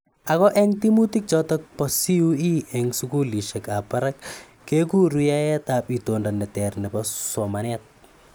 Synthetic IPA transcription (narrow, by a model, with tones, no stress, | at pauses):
a˨kɔ˦ʔɛ˦ŋti˦mu˦ti˦k̚t͡ʃɔ˦tɔk̚pɔsi˦ui˦ʔɛŋsuku˦li˨ʃe˨ka˨pa˦ɾakː | e˦ku˦ɾuja˦jɛtapi˨tonda˨nɛ˨tɛ˨rnɛ˨pɔso˨ma˨nɛt̚